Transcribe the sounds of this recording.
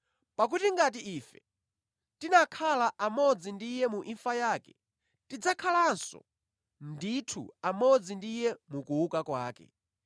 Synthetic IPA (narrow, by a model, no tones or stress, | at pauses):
pak̬utiŋɡat̬iiːfɛ | tinakʰalaʔamɔd͡zindijɛmuʔiɱfajaːkɛ | tid͡zakʰalansɔ̰ | nditʰṵamɔd͡zindijɛmukuukakwaːkɛ̰